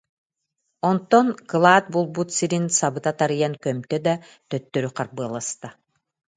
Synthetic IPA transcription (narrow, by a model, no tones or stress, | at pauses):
ɔnt̪ːɔnklˠaːt̪̚bulˠbut̪siɾinsaβɯt̪at̪aɾɯjaŋkœmt̪œd̪a | t̪œt̪ːøɾyqʰɑɾbɯɐlˠast̪a